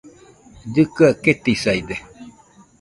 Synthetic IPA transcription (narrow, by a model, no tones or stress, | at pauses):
d͡ʒɨkaket̪isajd̪e